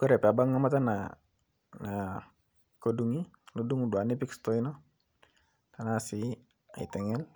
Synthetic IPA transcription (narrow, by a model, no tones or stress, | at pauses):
kuɾɛpeabaŋːamat̪ana | na | kɔduŋiluduŋuduanɛpikst̪ɔinɔ | t̪anasi | aḭt̪ɛŋɛl